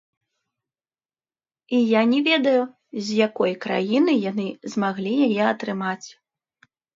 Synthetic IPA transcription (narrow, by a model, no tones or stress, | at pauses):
ijanʲɛvʲɛd̪ɐju | zʲjakɔjkɾa̰jinɨjanɨzmaɣlʲijajɛɐt̪ɾɨmat͡sʲ